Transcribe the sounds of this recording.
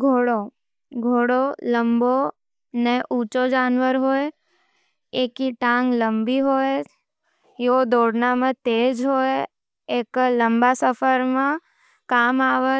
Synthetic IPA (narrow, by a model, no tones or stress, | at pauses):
ɡʱoːɽo | ɡʱoːɽoləmbo | neʔuːt͡ʃod͡ʒaːnʋəɾɦoːj | ekiʈãːŋɡləmbiɦoːj | jod̪oːɽnamãt̪eːd͡ʒɦoːj | eːkləmbasəfəɾmã | kaːmaːʋə